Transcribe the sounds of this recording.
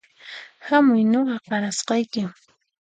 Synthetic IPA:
hamʊjnoɢɑqɑɾasqɑjkɪm

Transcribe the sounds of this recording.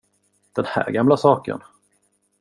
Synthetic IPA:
d̪̥ɛnhæ̰ːɾɡamlasɑːkə̰n

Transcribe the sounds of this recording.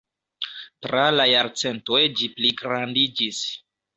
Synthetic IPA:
tɾalajaɾt͡se̞ntojd͡ʒipliɡɾandid͡ʒis

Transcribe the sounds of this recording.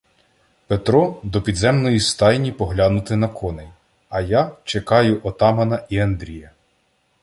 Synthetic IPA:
pet̪ɾɔd̪ɔpʲid̪zɛmnɔjist̪ɑjnʲipɔɦlʲanʊt̪ɪnɐkʰɔnej | ɐjat͡ʃekɑjʊʔɔt̪ɑmɐnɐʔiɐnd̪ɾʲijɐ

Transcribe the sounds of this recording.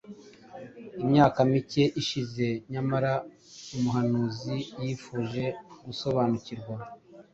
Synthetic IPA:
imɲaːkamice̞ʔiʃize̞ɲamaɾa | umuɦanuzijiːfuːʒe̞ɡuso̞βaːnuciɾɡwa

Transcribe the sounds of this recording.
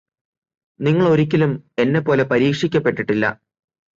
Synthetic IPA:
niŋːɐɭo̞ɾikʲːilume̞nːe̞pːo̞ːle̞pɐɾiːkʂikʲːɐpːe̞ʈːiʈːilːɐ̰

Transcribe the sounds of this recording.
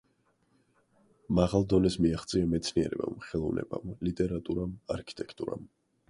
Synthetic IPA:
maʁalˠd̪ɔnɛsmiaχt̪sʼiamɛt̪sʰniɛɾɛ̰ba̰mχɛlˠɔvnɛ̰ba̰mlit̪ʼɛɾat̪ʼuɾamaɾkʰi̥t̪ʼɛkʰt̪ʼuɾa̰m

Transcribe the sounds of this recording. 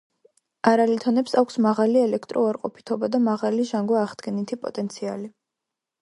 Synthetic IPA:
aɾalit̪ʰɔnɛpsakʷʰsmaʁaliɛlɛkʰt̪ʼɾʔɔaɾqʼɔpʰi̥t̪ʰɔbad̪amaʁaliʒaŋɡwaːʁd̪̥ɡɛnit̪ʰipʼɔ̰t̪ʼɛnt̪sʰia̰li

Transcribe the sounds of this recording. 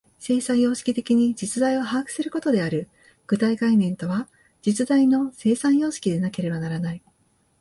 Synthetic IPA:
se̞ːsãɰ̃jo̞ːɕi̥kʲit̪e̞kʲiɲ̟id͡ʑit͡sɨd̪aio̞ɦaːkɯ̟̥sɨɾɯ̟ko̞t̪o̞d̪e̞aɾɯ̟ | ɡ̥ɯ̟t̪aiɡainẽ̞nt̪o̞βa | d͡ʑit͡sɨd̪aino̞se̞ːsãɰ̃jo̞ːɕi̥kʲid̪e̞nake̞ɾe̞banaɾanai

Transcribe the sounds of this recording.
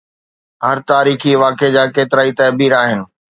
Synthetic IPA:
ɦɐɾt̪aːɾiːxiʋaːked͡ʑaːkeːt̪ɪɾaːit̪ɐːbiːɾaːɦɪnɪ̆

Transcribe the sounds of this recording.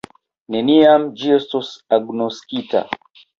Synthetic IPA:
nɛniamd͡ʒistusaɡnɔskita̰

